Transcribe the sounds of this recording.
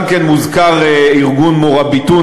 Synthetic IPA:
mkenmuzkaʁeiʁɡunmoʁabit̪u

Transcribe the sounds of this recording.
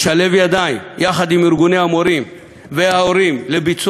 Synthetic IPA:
ʃale̞vjad̪aimjaχad̪imiɾɡuneamoɾim | veaoɾimlebit͡s

